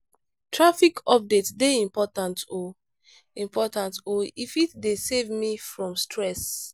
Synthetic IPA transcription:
tʰɹafikʰɔp̚detsdeĩmpɔtãnto | ĩmpʰɔtãntoifitdesevmifɹɔ̃mstʰɹɛs

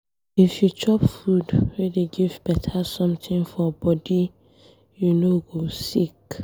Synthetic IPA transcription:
ifjut͡ʃɔpfudɹediɡivbɛtʰasɔ̃mtĩŋfɔbɔdi | junoɡosik

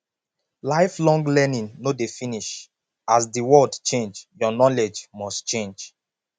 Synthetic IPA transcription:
laɪflɔ̃ŋɡlɛnĩnnodefiniʃ | asdiwɔldt͡ʃẽnd͡ʒjɔnɔled͡ʒmɔstt͡ʃẽnd͡ʒ

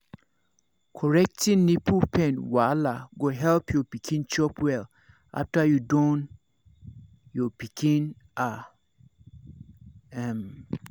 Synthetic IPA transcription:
kʰɔɹɛk̚tʰĩnnipʰupʰɛ̃nwalaɡoɦɛlpʰjɔpikʰĩnt͡ʃɔpʰwɛl | a̰ftajudɔ̃n | jɔpikʰĩn | a | ɛm

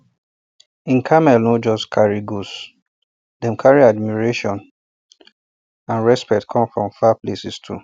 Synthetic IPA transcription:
ĩnkʰamɛlnod͡ʒɔskʰaɹiɡos | dɛ̃mkʰaɹiad̚miɹeʃɔ̃n | ãnɹɛspɛtkʰɔ̃mfɹɔ̃mfaplesistʰṵ

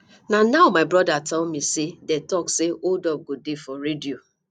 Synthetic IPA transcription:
nanaʊmaɪbɾɔdatʰɛlmisedɛtɔkseodɔp̚ɡodefɔɾedio

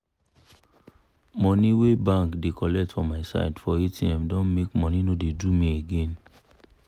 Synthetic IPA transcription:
mɔniwebãŋkdekʰɔlɛk̚tfɔ̃maɪsa̰ɪdfɔitĩãmdɔ̃nmekmɔninodedumieɡɛ̃n

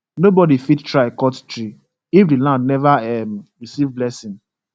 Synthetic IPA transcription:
nobɔdifidtɹaɪkɔttɹi | ifdilãndnɛvaɛmɹisivblɛsĩn

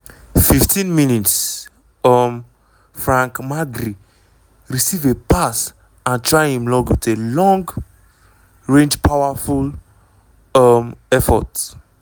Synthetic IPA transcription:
fiftʰĩnminits | ɔm | fɹãŋkmaɡɾi | ɹisivepas | ãntʰɹaɪhĩmlɔɡwitelɔ̃ŋɡ | ɹẽnd͡ʒpʰawaful | mɛfɔ̰t

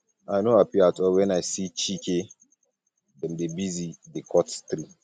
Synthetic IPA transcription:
aɪnoapiatɔlwɛ̃naɪsit͡ʃikʰe | dɛ̃ndebizidekʰɔtst̪ɾi

